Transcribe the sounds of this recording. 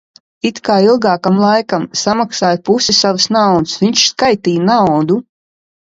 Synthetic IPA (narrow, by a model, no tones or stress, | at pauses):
it̪kaːilˠɡaːkamlˠajkamsamaksaːjpusisavɨsnawd̪ɨsviɲʲt͡ʃskajt̪iːjnawd̪u